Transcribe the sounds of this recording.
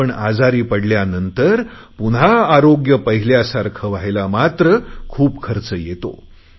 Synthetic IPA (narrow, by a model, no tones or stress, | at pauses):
əɳad͡zaɾiːpəɽljanənt̪əɾ | punɦaːɾoɡjəpəɦiljasaɾkʰəʋaɦjlamat̪ɾəkʰuːpkʰəɾt͡səjet̪o̰